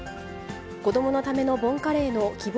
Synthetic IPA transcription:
ko̞d̪o̞mo̞no̞t̪ame̞no̞bõ̞ŋkaɾe̞ːno̞kʲib

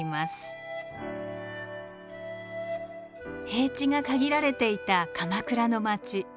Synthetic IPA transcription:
masɨ̥ | he̞ːt͡ɕiŋakaɡʲiɾaɾe̞t̪e̞it̪akamakɯ̟ɾano̞mat͡ɕi

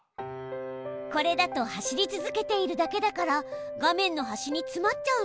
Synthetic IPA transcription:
ko̞ɾe̞d̪at̪o̞haɕiɾʲit͡sɨzɨke̞t̪e̞iɾɯ̟d̪ake̞d̪akaɾa | ɡamẽ̞nːo̞ɦaɕiɲ̟it͡sɨmatt͡ɕaɯ

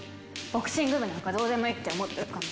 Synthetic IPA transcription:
b̥o̞kɯ̟̥ɕĩŋɡɯbɯnãŋkad̪o̞ːzemoit̪ːeomot̪ːekan

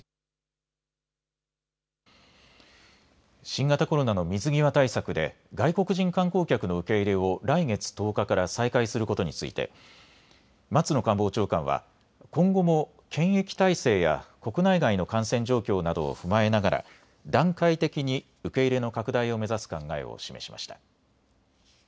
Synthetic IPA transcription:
ɕĩŋɡat̪ako̞ɾo̞nano̞mʲizɨɡʲiβat̪aisakɯ̟d̪e̞̰ | ɡaiko̞kɯ̟ʑĩŋkãŋko̞ːkʲakɯ̟no̞ɯ̟ke̞iɾe̞o̞ɾaiɡe̞t͡sɨ̥t̪o̞ːkakaɾasaikaisɨɾɯ̟ko̞t̪o̞ɲit͡sɨḭt̪e̞̰ | mat͡sɨno̞kãmbo̞ːt͡ɕo̞ːkã̰βa̰ | kõ̞ŋɡo̞mo̞ | kʰẽ̞ɰ̃e̞kʲi̥t̪aise̞ːja̰ko̞kɯ̟naiɡaino̞kãɰ̃sẽ̞ɲ̟d͡ʑo̞ːkʲo̞ːnad̪o̞̰ːɸɯ̟mae̞naɡaɾa̰ | d̪ãŋkait̪e̞kʲiɲ̟i | ɯ̟ke̞iɾe̞no̞kakɯ̟d̪aio̞me̞zasɨ̥kãŋɡae̞̰o̰ɕime̞̰ɕi̥mʔa̰ɕi̥t̪ḁ

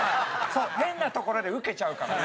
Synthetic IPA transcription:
so̞ːɦẽ̞nːat̪o̞ko̞ɾo̞d̪eɯ̟ke̞t͡ɕaɯ̟ka̰

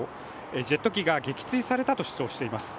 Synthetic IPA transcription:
ed͡ʑe̞t̪ːo̞kʲiɡaɡe̞kʲi̥t͡sɨisaɾe̞t̪at̪o̞ɕi̥t͡ɕo̞ːɕi̥t̪e̞imasɨ̥

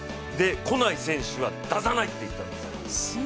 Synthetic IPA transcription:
d̪e̞ko̞naisẽ̞ɰ̃ɕɨβad̪azanait̪ːe̞it̪ːãnd̪es

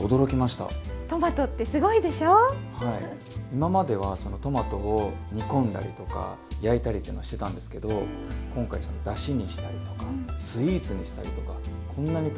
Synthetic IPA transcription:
od̪o̞ɾo̞kʲimaɕi̥t̪a̰t̪o̞mat̪o̞t̪ːe̞sɨɡo̞id̪e̞ɕoːhaḭ | imamad̪e̞βaso̞no̞t̪o̞mat̪o̞oɲ̟ikõ̞nd̪a̰ɾʲḭt̪o̞ka̰ | jait̪aɾʲit̪eiɯnoaɕit̪e̞t̪ãnd̪e̞sɨ̥ke̞d̪o̞kõ̞ŋkaiso̞no̞d̪aɕiɲ̟iɕi̥t̪aɾʲit̪o̞kasɨiːt͡sɨɲ̟iɕi̥t̪aɾʲit̪o̞ka | kʰõ̞nːaɲ̟it

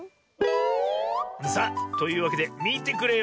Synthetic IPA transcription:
sat̪o̞jɯ̟ːβake̞d̪e̞mʲiːt̪e̞kɯ̟ɾe̞

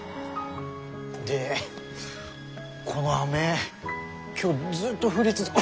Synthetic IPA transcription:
d̪e | kʰonoame̞ | kʲo̞ːd͡zɨːt̪ːo̞ɸɯ̟ɾʲit͡sɨ

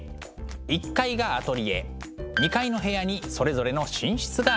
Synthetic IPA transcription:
ikːaiɡaat̪o̞ɾʲie̞̰ | ɲ̟ikaino̞ɦe̞jaɲ̟iso̞ɾe̞zo̞ɾe̞no̞ɕĩɰ̃ɕi̥t͡sɨɡa

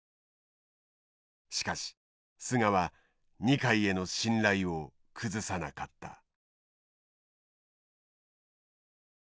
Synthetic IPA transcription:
ɕi̥kaɕi̥ | sɨŋaβa | ɲ̟ikaie̞no̞ɕĩnɾaio̞ | kʰɯzɨsanakat̪ːa̰

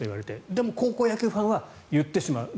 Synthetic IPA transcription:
oiβaɾe̞t̪e̞d̪e̞mo̞ko̞ːko̞ːjakʲɯɸãɰ̃a | jɯt̪ːe̞ɕima̰ɯ̟

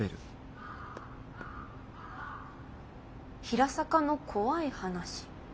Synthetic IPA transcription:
eɾɯ̟ | çiɾasakano̞kʰo̞βaihanaɕi̥

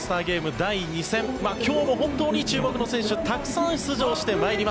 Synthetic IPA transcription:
sɨ̥t̪aːɡʲe̞ːmɯ̟d̪aiɲ̟isẽ̞mmaːkʲʰo̞ːmo̞ɦõ̞nt̪o̞ːɲ̟it͡ɕɨːɡo̞kɯ̟no̞sẽ̞ɰ̃ɕɨt̪akɯ̟̥sãɰ̥̃t͡sɨʑo̞ːɕi̥t̪e̞maeɾʲima

